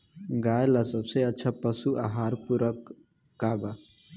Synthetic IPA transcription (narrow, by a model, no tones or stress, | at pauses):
ɡaːjlasəbseətːt͡ʃʰapəsuʔaɦaːɾpuɾəkː | aba